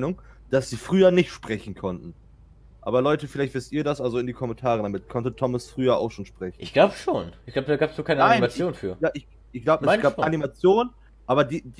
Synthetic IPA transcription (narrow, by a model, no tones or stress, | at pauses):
nʊŋ | d̥asz̥iːfʁ̥yːɐnɪçtʃpʁ̥ɛçn̩kʰɔntn̩ | ʔa̰ːbɐlɔʏtəfɪlaɪçtvɪstʔiːɐɾasʔalzoɪndiːkʰɔmɛntʰaːʁədamɪtkʰɔntətʰɔməsfʁ̥yːɐʔa̰ʊxʃoːnʃpʁ̥ɛçnɪçɡ̥laʊbəʃoːnʔɪçɡ̥laʊbədaːɡaːpsnoːkʰaɪnənaɪnmat͡sjoːnfyːɐaɪç | ʔɪçɡ̥laʊbəɛsɡ̥aːpːanimat͡sjoːnən | ʔaːbɐdiːd